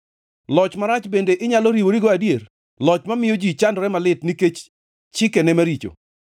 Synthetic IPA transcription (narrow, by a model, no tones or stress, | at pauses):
lɔt͡ʃmaɾat͡ʃbendeʔɪɲaloɾiwoɾiɡoadjer | lɔt͡ʃmamɪjod͡ʒit͡ʃandɔɾɛmalɪtniket͡ʃ | t͡ʃɪkɛnɛmaɾit͡ʃo̰